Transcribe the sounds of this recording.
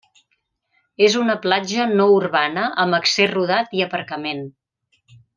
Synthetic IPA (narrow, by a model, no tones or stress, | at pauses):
ezunəplad͡ʒənɔuɾβanəʔəməkseruð̞at̪iəpəɾkəmen